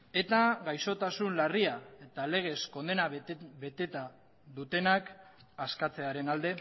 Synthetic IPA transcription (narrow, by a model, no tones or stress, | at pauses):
e̞t̪aɡajso̞t̪asunlariae̞t̪ale̞ɣ̞e̞sko̞nd̪e̞naβe̞t̪e̞t̪a | ðut̪e̞nak | askat͡se̞aɾe̞nald̪e̞